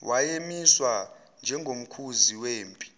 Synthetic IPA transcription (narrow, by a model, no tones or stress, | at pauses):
wajemiswa | nd͡ʒʱɛŋʱom̩kʰuziweːmpʼi̥